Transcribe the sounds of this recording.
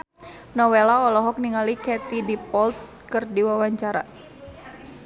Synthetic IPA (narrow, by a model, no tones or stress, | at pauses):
nɔwelaɔlɔɦɔk̚niŋalikɛt̪idipɔlt̪̚ | kɨrdiwawaɲt͡ʃaɾa̰